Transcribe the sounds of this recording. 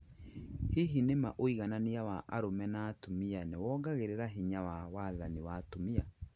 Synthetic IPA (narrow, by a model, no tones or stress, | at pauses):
hiɦinemaʔoiɣananiawaʔaɾomɛnaːtomianewɔːɡaɣeɾeɾaɦiɲawawaðaniwatomia